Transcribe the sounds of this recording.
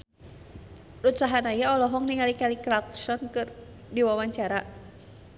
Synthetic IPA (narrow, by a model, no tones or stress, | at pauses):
ʔut̪saɦanajaɔlɔɦɔŋniŋalikalikɾaksɔnkɨr | diwawaɲt͡ʃaɾa